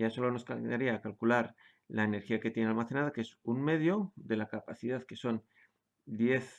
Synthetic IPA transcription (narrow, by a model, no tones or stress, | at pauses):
jaso̞lo̞no̞skaaɾiaːkalkulaɾ | laene̞ɾxiake̞t̪je̞nealmaθe̞naðakee̞sunme̞ð̞jo̞ðe̞lakapaθið̞aðke̞so̞n | d̪je̞θ